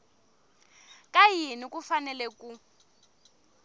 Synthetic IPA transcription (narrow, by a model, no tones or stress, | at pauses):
kʼajinikʼufanɛlɛkʼu